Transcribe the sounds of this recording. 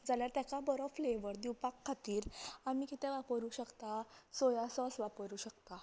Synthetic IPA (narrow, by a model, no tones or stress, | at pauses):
d͡zaljaɾt̪jakabəɾɔfleʋəɾd̪iwpakʰːat̪iːɾamikit̪eʋapəɾuːɕəkt̪asojasɔsʋapəɾuːɕək̚t̪a